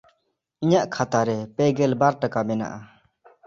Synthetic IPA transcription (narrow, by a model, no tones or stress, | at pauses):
iɲaʔkʰat̪aɾɛpɛɡɛlbaɾʈakabɛna̰ʔa